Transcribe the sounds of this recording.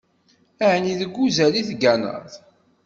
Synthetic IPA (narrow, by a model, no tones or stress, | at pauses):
æʕniðəɡːuzæliθɡænə̰ðˤ